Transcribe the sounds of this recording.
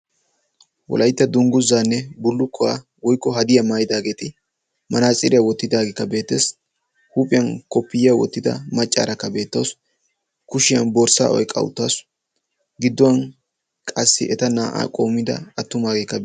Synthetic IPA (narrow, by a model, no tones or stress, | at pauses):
wɔ̰lʔɐjt̪ːɐd̪ʊŋɡʊzːaːnːɛbʊlːʊkʰːɔwa | wɔjkʼːɔɦɐd̪ɪjɐmaːjɪd̪aːɡe̞ːt̪ɪ | mɐnaːt͡sʼɪ̰ɾɪjawɔt̪ːɪd̪aːɡeːkːɐbe̞ːt̪ːeːs | huːpʼɪjɐnkɔpːɪjjawɔ̰t̪ːɪd̪ɐ̰mɐt͡ʃʼːa̰ːɾɐkːɐbe̞ːt̪ːɐws | kʊʃɪjɐnboːɾsa̰ːʔɔ̰jkʼɐ̰wʊ̰t̪ːas | ɡɪd̪ːɔwɐn | kʼɐsːɪ̰ʔɛt̪ɐnaːʔa̰ːkʼo̞ːmːɪd̪ɐ̰ɐt̪ːʊmaːɡeːkːɐ